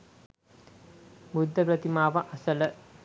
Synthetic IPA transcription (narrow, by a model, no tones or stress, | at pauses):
bud̪ʱːɐpɾɐt̪imaːʋɐʔɐsɐlə